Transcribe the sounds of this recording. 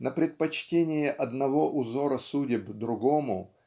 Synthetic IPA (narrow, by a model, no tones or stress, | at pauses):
nəpɾʲɪt̪̚pɐt͡ɕtʲenʲɪjɪʔɐd̪nɐvo̞ʔʊzo̞ɾəsudʲɪbd̪ɾʊɡomʊ